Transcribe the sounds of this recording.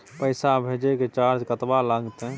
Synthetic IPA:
pəɪsabʱed͡ʒeket͡ʃaɾd͡ʒkət̪balaɡt̪ẽ

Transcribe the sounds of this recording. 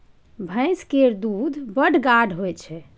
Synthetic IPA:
bʱə̃ɪ̃skeɾd̪ud̪ʱbəɽɡaɖʱɦojt͡ʃʰɛ

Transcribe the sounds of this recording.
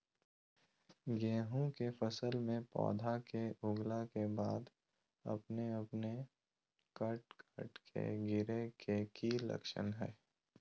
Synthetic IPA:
ɡeːɦũkefəsəlmẽpɔ̰ːd̪ʱakeʊɡlakebaːd̪ | ɐ̰pneɐpne | kəʈkʰəʈkʰḛɡɪɾekekilɐ̰kʃə̰nɦɛː

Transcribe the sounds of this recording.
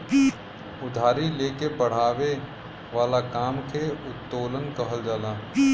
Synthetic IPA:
ʊd̪ʱaːɾileːkebəɽ̤aːʋe | ʋaːlakaːmkʰeʊt̪ːoːlənkəɦəld͡ʒaːlaː

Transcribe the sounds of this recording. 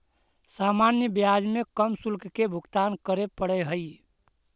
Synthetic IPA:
samanjəbijad͡ʒmekəmsulkkebʱuɡt̪ankəɾepəɽɛɦəj

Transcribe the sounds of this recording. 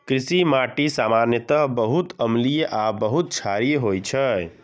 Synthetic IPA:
kɾisimaʈisamanjət̪əɦbəɦut̪əmlijʔabəɦut̪̚t͡ʃʰaɾijɦojt͡ʃʰə

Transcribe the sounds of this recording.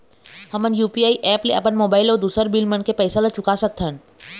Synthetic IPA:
hɐmənjuːpiaːiʔɛːplea̰pənmoːbaːɪlɔːɾd̪uːsəɾbilmənkepɛːsalɐt͡ʃʊkasɐk̚t̪ʰən

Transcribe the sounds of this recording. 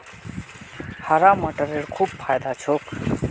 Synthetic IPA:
haɾaːməʈəɾeɽkʰuːbfʰaːjd̪at͡ʃʰoːk

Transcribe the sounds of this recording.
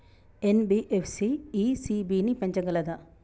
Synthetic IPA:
enbiʔepʰsiːsibinipeɲt͡ʃɐɡɐlɐd̪ɐ

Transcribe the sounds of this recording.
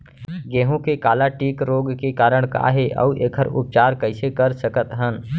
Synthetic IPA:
ɡeːɦõkekaːlaʈiːkɾoːɡkekaːɾəɽ̃ka̰ːɦeʔə̰uʔeːkʰəɾʊ̰p̚t͡ʃaːɾkəɪsekəɾsəkət̪ɦən

